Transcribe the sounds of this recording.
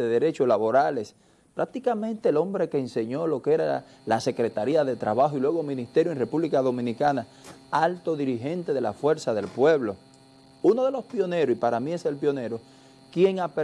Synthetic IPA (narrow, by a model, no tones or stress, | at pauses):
eðe̞ɾe̞t͡ʃolaβo̞ɾale̞s | pɾak̚t̪ikamẽ̞nt̪e̞ːlo̞mbɾe̞keːnse̞ɲo̞lo̞keeɾa̰ | lase̞kɾe̞t̪aɾiaðet̪ɾaβaxoilweɣomĩnist̪eɾjoire̞puβlikaðo̞mĩnikana | alt̪o̞ðiɾiɦe̞nt̪e̞ðe̞la̰fwe̞ɾsaðe̞lpwe̞βlo̞ | uno̞ðe̞lo̞spjo̞ne̞ɾosipaɾamĩe̞se̞lpjo̞ne̞ɾo | kje̞ŋape